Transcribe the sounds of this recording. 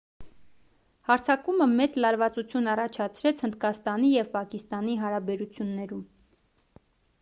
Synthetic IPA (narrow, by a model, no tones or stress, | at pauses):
hɑɾt͡sʰɑkuməmɛt͡slɑɾvɑt͡sut͡sʰjunɑrɑt͡ʃʰɑt͡sʰɾɛt͡sʰhənd̪̚kɑst̪ɑnijɛvpɑkist̪ɑn̪iɦɑɾɑbɛɾut͡sʰjunːɛɾum